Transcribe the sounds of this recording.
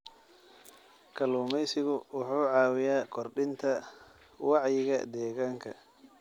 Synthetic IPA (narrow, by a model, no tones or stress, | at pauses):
kʰɐluːmɛjsɪɣʊwɑħuːʕɑːwɪjaːkʰɔrɖɪnt̪ʰɐ | wɑʕjɪɣɐ̰d̪ɛːɣaːŋkʰɐ